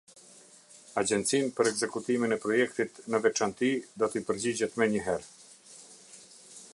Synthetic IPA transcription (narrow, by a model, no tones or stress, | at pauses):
ad͡ʑɛnt͡sinpəɾɛɡzɛkut̪iminɛpɾɔjɛkt̪it̪nəvɛt͡ʂant̪id̪ɔt̪əipəɾd͡ʑid͡ʑɛt̪mɛɲəɦɛɾ